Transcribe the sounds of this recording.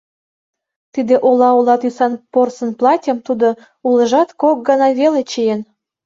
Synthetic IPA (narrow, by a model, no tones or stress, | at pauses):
t̪id̪ĕʔolɑulɑt̪ysɑnporsə̆nplˠɑtʲə̆mt̪ud̪o | ulɤ̆ʒɑt̪kok̚ɡɑnɑβelet͡ɕejen